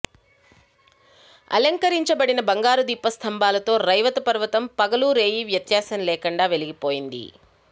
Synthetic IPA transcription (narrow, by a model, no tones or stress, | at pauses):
ɐ̰lɐŋkɐɾiɲt͡ʃɐbɐɽinɐbɐŋɡaːɾud̪iːpːɐst̪ʰɐmbaːlɐt̪o̞ːɾɐjʋɐt̪ɐpɐɾʋɐt̪ɐmpɐɡɐluːɾe̞ːjiʋjɐt̪jaːsɐnlɛːkɐɳɖaːʋe̞liɡipo̞ːjind̪ḭ